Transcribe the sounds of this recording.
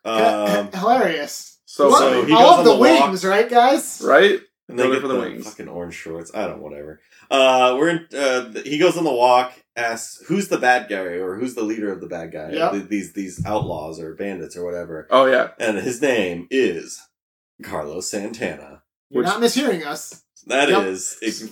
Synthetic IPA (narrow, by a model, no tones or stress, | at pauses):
ʔʌhəlɛɹiɨs | soʊoʊhiɡʌnðəwɪ̃ŋzɹaɪt̚ɡ̥aɪz̥ɹa̰ɪt̚ | nðeɪɡɛtfəðəwɪ̰̃ŋfʌkɨ̃nɔ̰ɹɨ̃nʒ̥ʃɔɹtsaɪdɾõ̰ʊ̃nʔwʌ̰ɾɛ̰və˞ | ʔʌwɪɹɨ̃nʌðhiɡoʊzn̩ðəwɔk | æskshʉzðəbæd̚ɡaɪə˞hʉzðəliɾə˞ʌvðəbæd̚ɡaɪððizðiza̰ʊtˡlɔ̰zə˞bæ̃ndɨtsə˞wʌɾɛvə˞oʊjæ̰ʔɨ̃nɪznẽɪ̃mɪz̥ | kʰɑ̰ɹlˠo̰ʊsæ̃ntʰænə̰ | jnət̚mɪshiɹɪ̃ŋʌs | ðɨɾɪz̥ɪ